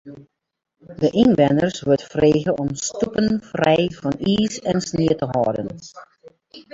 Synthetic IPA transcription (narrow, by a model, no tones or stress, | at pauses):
dəʔinʋɛnərsʋøtfreːɣəʔɔmstupənfrɛjvɔniːsɛnsniətəɦɔːdən